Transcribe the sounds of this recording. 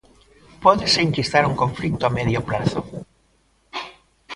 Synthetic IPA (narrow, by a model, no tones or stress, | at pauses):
pɔðeseiŋkist̪aɾuŋkõɱflik̚t̪oameðjoplaθʊ̰